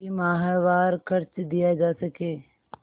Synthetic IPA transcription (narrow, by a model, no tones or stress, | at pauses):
imaːɦaʋaːɾkɐɾt͡ʃd̪ijad͡ʒaːsɐkeː